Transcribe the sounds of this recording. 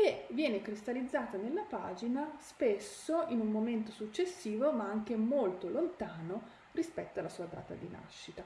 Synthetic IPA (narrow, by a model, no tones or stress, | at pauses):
kevːjɛːnekɾist̪alid̪zːaːt̪anelːapaːd͡ʒinaspesːoʔinumːoment̪osut͡ʃːesːiːvomaaŋk̟emolt̪olont̪aːno | rispɛt̪ːoalːasuːad̪a̰ːt̪a̰d̪ina̰ʃːit̪a